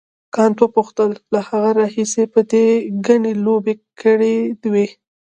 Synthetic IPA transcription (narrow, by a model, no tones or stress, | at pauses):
kɑnt̪wəpuxt̪əlːahaɣaɾɑhisepəd̪eɡaɳelobekəɽed̪we